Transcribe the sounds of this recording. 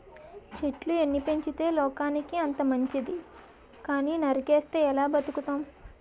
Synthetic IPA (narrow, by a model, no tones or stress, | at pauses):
t͡ʃe̞ʈlue̞nːipe̞ɲt͡ʃit̪e̞ːlɔːkaːnikiɐnt̪ɐmɐɲt͡ʃid̪i | kaːniːnɐɾikeːst̪e̞ːɛlaːbɐt̪ukut̪aːm